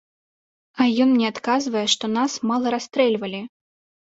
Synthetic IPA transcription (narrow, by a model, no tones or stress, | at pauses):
ɐjɔnnʲɛat̪kazvɐjɛʂt̪ɔnasmalˠɐɾast̪ɾɛlʲvɐlʲi